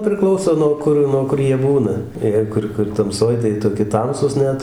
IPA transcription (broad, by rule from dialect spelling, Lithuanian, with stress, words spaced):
pʲrʲɪˈklˠɐʊsoː nuɔ ˈkʊr nuɔ ˈkʊr ˈjiɛ ˈbuːnɐ ˈjɛɪ kʊr kʊr tɐmˈsoːj tɐɪ ˈjiɛ toːˈkʲɪ ˈtɐmsuːs ˈnʲɛt